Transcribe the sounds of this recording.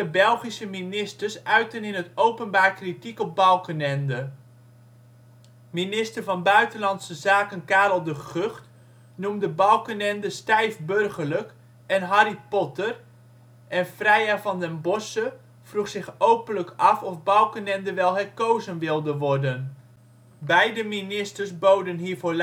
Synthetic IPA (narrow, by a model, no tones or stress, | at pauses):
əbɛlˠχisəminɪstəɹsœɥtənɪnətowpənbaːɹkritikɔb̚bɑlˠkənɛndə | minɪstərvɑnbœɥtənlɑntsəzaːkənkaːɾlˠdəχøχt | numdəbɑlˠkənɛndəstɛjfbɵrχəɹlək | ɛnɦɑɾipɔtər | ɛnfrɛjavɑndɛnbɔsə | v̥ruχsɪχowpənləkɑfɔfbɑwˠkənɛndəʋɛlˠɦɛɹkowzənʋɪlˠdəʋɔɹdən | bɛjdəminɪstəɹsbowdənɦiːɹvoː